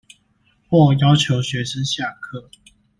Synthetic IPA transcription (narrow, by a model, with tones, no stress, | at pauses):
xwɔ˥˩jɑ˥ʊt͡ɕʰjo˨˧˥ʊɕɥɛ˧˥ʂə˥˦nɕja˥˩kʰɤ˥˩